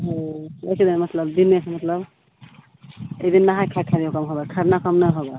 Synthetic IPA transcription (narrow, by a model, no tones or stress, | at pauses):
ɦə̃lekʰid̪emət̪ləbd̪inesʰmət̪ləb | ed̪inːaɦakʰakʰaɾijokəmɦobɛkʰəɾnakəmnəjɦobɛ